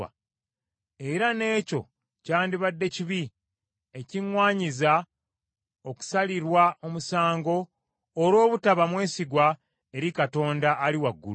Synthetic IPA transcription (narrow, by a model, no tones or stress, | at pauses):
a̰ | e̞ɾane̞ːco̞̰ | caːndiβadːe̞ciβi | e̞ciŋwaːɲiza | oku̥saliɾwao̞musaːŋɡo̞ː | ɾo̞ːβutaβamwe̞ːsiɡwa | e̞ɾikato̞ːndaːliwaɡːṵl